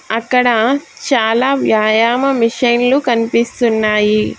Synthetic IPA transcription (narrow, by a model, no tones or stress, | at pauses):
ɐkːɐɽɐt͡ʃaːlaːʋjaːjaːmɐmiʂɐjnlukɐnipist̪unːaːji